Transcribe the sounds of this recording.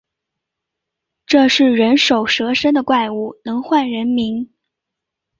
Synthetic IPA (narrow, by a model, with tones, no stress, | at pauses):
ʈ͡ʂɤ˥˧ʂɻ̩˥˩ɻə˧˥nʂo˨˩ʊʂɤ˧˥ʂə˥nd̪ə˨kwa˥˩ɪu˥˩nɤ˧˥ŋxwa˥˩nɻə˧˥nmi˧˥ŋ